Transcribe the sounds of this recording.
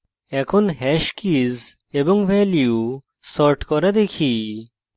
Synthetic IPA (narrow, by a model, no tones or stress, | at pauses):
ɛkʰonɦɛʃkiz | eboŋvɛljju | sɔɾʈkɔɾad̪ekʰi